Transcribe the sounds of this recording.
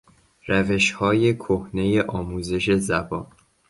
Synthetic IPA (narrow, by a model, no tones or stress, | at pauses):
ræve̞ʃhɒːje̞kʰohne̞je̞ʔɒːmuːze̞ʃe̞zæbɒːn